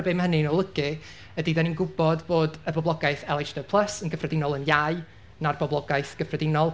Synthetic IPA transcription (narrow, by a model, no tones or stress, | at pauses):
bemhənɨnɔlˠəɡɨ | ədidɛninɡʊbɔdboːdəbɔblˠɔɡajθɛlˠɛd͡ʒdə̥pʰlˠəsənɡəfrɛdɪnɔlˠənjaɨ | narbɔblˠɔɡajθɡ̥əfrɛdɪnɔlˠ